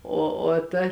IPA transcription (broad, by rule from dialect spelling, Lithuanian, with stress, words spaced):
ˈoː oː ˈtɐ